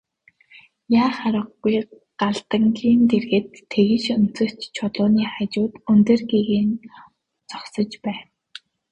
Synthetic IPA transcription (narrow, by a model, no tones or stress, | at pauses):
jaːχaɾə̆qːuj | ɢaɮt̪ə̆ŋɡʲiːnt̪erɣĕt̪ʰːeɣɘ̆ʃɵn̥t͡sɵ̆t͡ɕt͡ɕʰʊɮʊːniːχat͡ɕʊːt̪ɵnt̪ĕrɡiɣeːn | t͡sɔχsɞ̆t͡ɕpæːn